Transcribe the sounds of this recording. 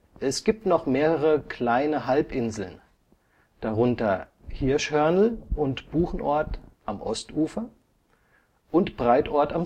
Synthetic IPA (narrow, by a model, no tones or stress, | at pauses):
ʔɛsɡ̥iːp̚tnɔχmeːʁəʁəkʰl̥aɪnəɦalpʔɪnzl̩n | d̥aʁʊntɐhɪɐʃhœɐnl̩ʔʊntb̥uːχn̩ʔɔɐtʔamʔɔstʔuːfɐ | ʔʊntb̥ʁaɪtʔɔɐtam